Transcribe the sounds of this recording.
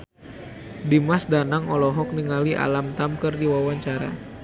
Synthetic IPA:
dimasdanaŋɔlɔɦɔk̚niŋaliʔa̰lamt̪amkərdiwawaɲt͡ʃaɾa̰

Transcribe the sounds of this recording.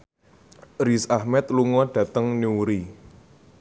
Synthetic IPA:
risahmɛt̪̚luŋɔɖ̥ä̤t̪əŋniuɾi

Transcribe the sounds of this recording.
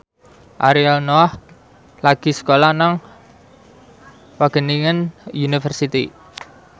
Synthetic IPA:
ʔaɾialnoah | laɡ̥i̤sə̥kolanaŋ | waɡ̥əniŋənjunifərsit̪i

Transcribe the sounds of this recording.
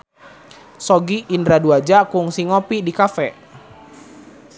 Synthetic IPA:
sɔɡiʔːndɾaduad͡ʒakʊŋsiŋɔpidikafɛ

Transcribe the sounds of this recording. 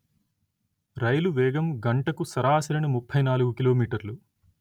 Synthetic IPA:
ɾɐjluʋɛːɡɐmɡɐɳʈɐkusɐɾaːsɐɾɐɳumupʰːɐjnaːluɡukilo̞ːmiːʈɐɾlu

